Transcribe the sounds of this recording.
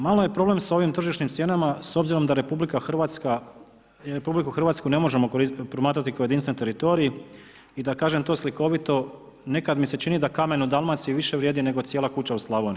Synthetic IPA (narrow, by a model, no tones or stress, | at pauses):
malo̞je̞pɾo̞ble̞msao̞ʋimt̪r̩ʒiʃɲimt̪sje̞ːnamaso̞bziɾo̞md̪aɾepublikaxʋat̪ska | ɾepublikuxɾr̩ʋaːt̪skune̞mo̞ʒe̞mopɾomaːt̪ɾat̪ikaoje̞d̪insent̪e̞ɾit̪o̞ɾiji | id̪akaːʒe̞mt̪o̞ːsliko̞ʋit̪o̞ | ne̞kad̪mise̞t͡ʃinid̪akame̞nud̪alˠmat̪siʋiʃe̞ʋɾjed̪ine̞ɡo̞t̪sjelakut͡ɕauslˠaʋoni